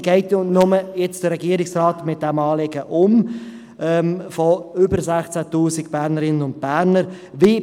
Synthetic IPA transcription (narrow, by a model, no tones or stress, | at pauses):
ɡ̥ɛɪtnʊməjɛt͡sd̥əɾɛɡiəɾɪksrɑːtmɪt̚d̥ɛmɑːlɪɡəʔʊm | ɛːmfoʏbəɾsæχt͡sætuːsikb̥æːɾnəɾɪnənʊnd̚b̥æːɾnəɾ | vi